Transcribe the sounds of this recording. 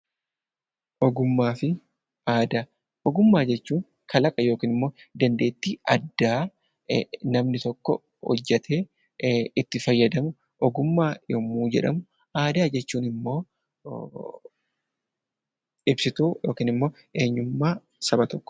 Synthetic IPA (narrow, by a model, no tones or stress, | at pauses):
ʔɔɡʊmːaːfɪ | ʔaːd̪aː | ʔɔɡʊmːaːd͡ʒɛt͡ʃːuːŋ | kʰɐlɐkʼɐjo̞ːkiːnɪmːo̞ːd̪ɐnd̪e̞ːt̪ːiːʔɐd̪ːaː | nɐmnɪt̪ɔkːɔ | hɔ̰d͡ʒːɛt̪ʰe̞ː | ɪt̪ːɪfɐjːɐd̪ɐmʊ | ʔɔɡʊmːaːjmːuːd͡ʒɛ̰ᶑɐmʊ | ʔaːd̪aːd͡ʒɛt͡ʃːuːnɪmːo̞ː | ɪbsɪt̪uːjo̞ːkiːnɪmːo̞ː | e̞ːɲːʊmːaː | sɐbɐt̪ɔkːɔ̥